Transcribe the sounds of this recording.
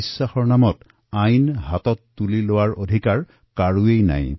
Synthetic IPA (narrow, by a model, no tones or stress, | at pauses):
isːaxɔɹnamɔt | ajnɦatɔtːulilowaɹodʱikaɹ | kaɹuejna̰j